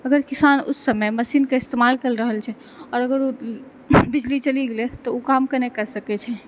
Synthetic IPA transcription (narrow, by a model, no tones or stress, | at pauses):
əɡəɾkisanṵsːəmeməsinkeɪst̪emalkəlɾəɦəlt͡ʃʰɛ | ɔɾəɡəɾu | bid͡ʒlit͡ʃəliɡelɛt̪ɔukamkənekəɾsəkɛt͡ʃʰɛ